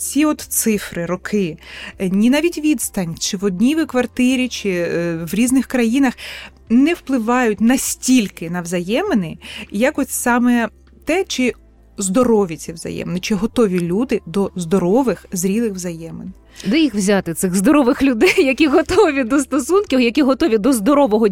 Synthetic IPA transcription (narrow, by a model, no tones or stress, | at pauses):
t͡sʲiɔt̪t̪sɪfɾɪɾɔkʰɪnʲinɑʋʲitʲʋʲid̪st̪ɐnʲt͡ʃɪʋɔd̪ʲnʲiʋɪkʋɐrt̪ɪɾʲit͡ʃɪʋɾʲiznɪxkɾɐjinɐx | nɛwplˠɪʋɑjʊt̚ʲnɐsʲtʲilʲkɪnɐʋzɐjɛmenɪjɐkɔsʲsɑmɛ | t̪ɛt͡ʃɪ | zd̪ɔɾɔʋʲit͡sʲiʋzɐ̰jɛ̰mnɪt͡ʃɪɦɔt̪ɔʋʲilʲud̪ɪd̪ɔzd̪ɔɾɔʋɪxzɾʲilˠɪxʋzɐjɛmɪn | d̪ɛjixwzʲat̪ɪt̪sɪɣzd̪ɔɾɔʋɪxlʲʊd̪ɛjːɐkʲiɦɔt̪ɔʋʲid̪ɔst̪ɔsunkʲiwjɐkʲiɦɔt̪ɔʋʲid̪ɔzd̪ɔɾɔʋɔɦɔ